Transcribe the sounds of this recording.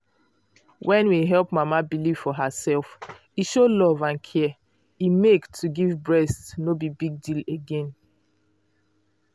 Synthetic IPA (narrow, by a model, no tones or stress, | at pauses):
wʔɛ̃nwiɦɛlˠpmamabiliv̥fɔɦasɛlf | iʃolɔvãnkʰɛ | imektʰuɡivbɹɛstnobibiɡ̚dileɡẽn